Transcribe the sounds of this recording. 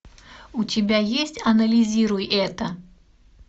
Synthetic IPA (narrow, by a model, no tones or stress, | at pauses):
ut͡sʲɪbʲajesʲt͡sʲɐnɐlʲizʲiɾujɛt̪ɐ